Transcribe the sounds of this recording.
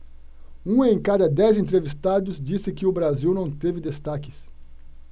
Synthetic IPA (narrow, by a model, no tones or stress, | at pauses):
ũẽj̃kad̪ɐd̪ɛzẽnt̪ɾevist̪ad̪ʊzd͡ʒisɪkɪʊbɾaziwnɐ̃w̃t̪evɪd̪est̪akɪ̥s